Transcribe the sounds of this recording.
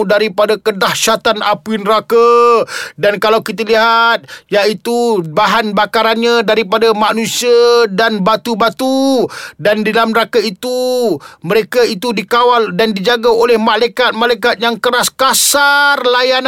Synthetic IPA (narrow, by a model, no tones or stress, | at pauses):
daɾipadakədahʃat̪anapinəɾaka | dankalawkit̪̬əliɦat̪̚jaʔit̪ubaɦanbakaɾanɲadaɾipadamanũsiadanbat̪ubat̪udandilamnəɾakait̪uməɾekait̪udikawaldandid͡ʒaɡaolɛhmalajkat̪̚malajkat̪̚jaŋkəɾaskasarlajan